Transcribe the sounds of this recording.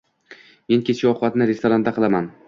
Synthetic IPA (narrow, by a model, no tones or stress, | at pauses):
me̞nkʲʰet͡ʃʰiɒqʰʊbat̪nɪɾest̪oɾand̪aqʰɨlˠaman